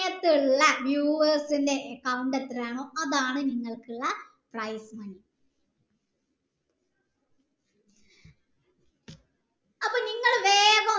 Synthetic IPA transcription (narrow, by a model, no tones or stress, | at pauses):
jɐt̪ːiɭːɐʋjuːʋɐrsinde̞ʔːkːɐwuɳɖet̪ːɐraːɳoːɐðaːɳɨniŋːɐɭkɨɭːɐ | prɐjsmɐni | ɐpːɐːniŋːɐɭʋeːʋɐ